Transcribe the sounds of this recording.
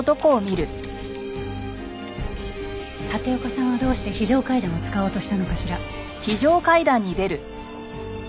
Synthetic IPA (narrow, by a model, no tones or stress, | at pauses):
t̪o̞ko̞ːmʲiɾɯ̟ | t̪at̪e̞okasãɰ̃βad̪o̞ːɕi̥t̪eçiʑo̞ːkaid̪ãɰ̃ot͡sɨ̥kaoːt̪o̞ɕi̥t̪ano̞kaɕiɾa | çiʑo̞ːkaid̪ãɲ̟ːid̪e̞ɾɯ̟